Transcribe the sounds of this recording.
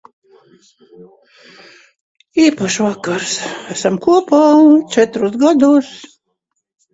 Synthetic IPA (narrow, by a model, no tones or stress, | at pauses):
iːpaʃvakaɾsæsamkuɔpat͡ʃɛt̪ɾusɡad̪us